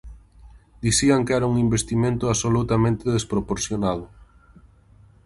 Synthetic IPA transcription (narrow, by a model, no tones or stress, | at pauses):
d̪iθiaŋkɛɾauŋimbest̪imẽnt̪ʊasolut̪amẽnt̪eðespɾopoɾθjonað̞ʊ